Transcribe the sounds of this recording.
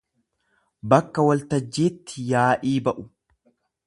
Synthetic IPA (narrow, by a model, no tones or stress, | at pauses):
bɐkːɐwɐlt̪ɐd͡ʒːeːt̪ːɪjaːʔiːbɐʔʊ